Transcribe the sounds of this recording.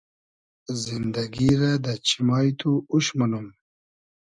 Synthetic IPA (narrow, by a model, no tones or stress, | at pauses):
zind̪ɐɡiɾad̪ət͡ɕimɑːjt̪uuʃmɐnum